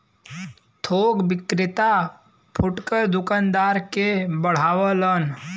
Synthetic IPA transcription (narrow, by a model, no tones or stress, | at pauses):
t̪ʰoɡbɪkɾɪt̪a | pʰuʈkəɾd̪ukand̪aɾkebəɽ̤awələn